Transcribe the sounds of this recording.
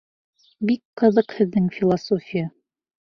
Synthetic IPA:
bikqɤ̆ðɤqhɘ̆ðːɘŋfʲilˠasofʲija

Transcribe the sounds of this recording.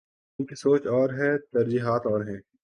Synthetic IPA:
nkesoːt͡ʃɔːɾɦɛːt̪ɐɾd͡ʒiːɦaːt̪ɔːɾɦɛ̃ː

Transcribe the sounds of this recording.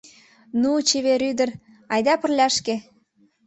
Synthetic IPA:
nut͡ɕeβeɾyd̪ə̆r | ɑjd̪ɑpə̆rlʲæʃke

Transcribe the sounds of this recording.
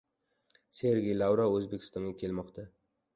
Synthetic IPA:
se̞ɾɡʲejlˠawɾaɵzbekʲʰɪ̥st̪ɒŋɡʲakʲʰe̞lmɒqt̪ʰa

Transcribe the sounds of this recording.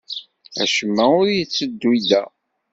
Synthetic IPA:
æ̰ʃəmːæʊɾjət͡sːəd̪ːwid̪æ

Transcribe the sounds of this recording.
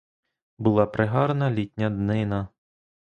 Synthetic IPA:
bʊlˠɑpɾeɦɑɾnɐlʲitʲnʲɐd̪nɪnɐ

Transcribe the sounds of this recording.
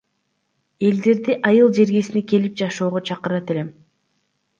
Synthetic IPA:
e̞ld̪e̞ɾd̪iʔɑjɯlˠd͡ʒe̞ɾɡe̞sineke̞lip̚d͡ʒɑʃo̞ːʁot͡ʃʰɑqɯɾɑt̪e̞le̞m

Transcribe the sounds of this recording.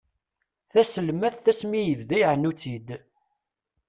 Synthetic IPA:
θæsəlmæθθæsmijəvðæjʕnːut͡sid̪

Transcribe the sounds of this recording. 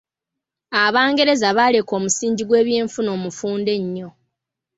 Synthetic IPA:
aβaːŋɡe̞ɾe̞zaβale̞ko̞ːmusiːɲɟiɡwe̞ːβje̞ːɱfuno̞ːmufuːnde̞ɲːo̞

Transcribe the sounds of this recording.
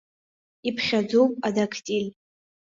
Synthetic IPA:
ipʰχʲad͡zowpʼadakʰtʼilʲ

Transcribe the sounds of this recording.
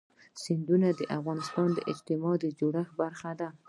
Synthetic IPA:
sɪnd̪unad̪əʔafɣɑnɪst̪ɑnd̪əʔɪd͡ʒt̪ɪmɑd̪əd͡ʒoɽaxbaɾxad̪a

